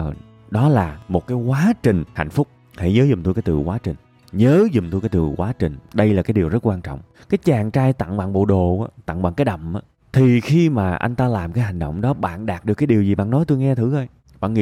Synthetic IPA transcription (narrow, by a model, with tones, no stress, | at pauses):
ə˨˩ | ɗɔ˨˦laː˨˩mo˨˩t̚kaː˨˦jkwaː˨˦t͡ɕï˨˩ŋ̟ha̰˧˨jŋ̟fʊ˦˥k͡p̚ | ha̰˧˩jɲəː˨˦zʊ˨˩ŋ͡mt̪o˧jkaː˨˦t̪ɨ̰˨˩kwaː˨˦t͡ɕï˨˩ŋ̟ | ɲəː˨˦zʊ˨˩ŋ͡mt̪o˧jkaː˨˦jt̪ɨ˨˩kwaː˨˦t͡ɕï˨˩ŋ̟ɗə˧jlaː˨˩kaː˨˦jɗi˨˩əwzə˦˥t̚kwaː˧nt͡ɕɔ̰˧˨wŋ͡m | kaː˨˦jt͡ɕaː˨˩ŋt͡ɕaː˧jt̪a̰˧˨ŋɓa̰ː˧˨ŋɓo̰˧˨ɗo˨˩ʔaː˨˦t̪a̰˧˨ŋɓa̰ː˧˨ŋkaː˨˦jɗə˨˩mʔaː˨˦ | t̪ʰi˨˩xi˧maː˨˩ʔa˧jŋ̟t̪aː˧laː˨˩mkaː˨˦jɦa˨˩jŋ̟ɗə̰˧˨wŋ͡mɗɔ˨˦ɓa̰ː˧˨nɗaː˨˩t̚ɗɨ˨˩kːjɗi˨˩əwzi˨˩ɓa̰ː˧˨nɔ˨˦jt̪o˧jŋɛ˧t̪ʰɨ˨˦ʔə˧j | ɓa̰ː˧˨nŋḭ˧˨